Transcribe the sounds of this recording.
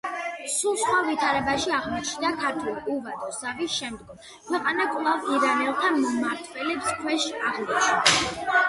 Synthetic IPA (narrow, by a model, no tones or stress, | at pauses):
sulˠsχwavit̪ʰaɾɛbaʃiaʁmɔt͡ʃʰnd̪akʰaɾt̪ʰulˠuvat̪ʰʼɔsavisʃɛmd̪ɡɔm | kʰwɛqʼanakʼlˠaviɾanɛlˠt̪ʰamɔmaɾt̪ʰvɛlɛpskʰwɛʃaʁmɔʃi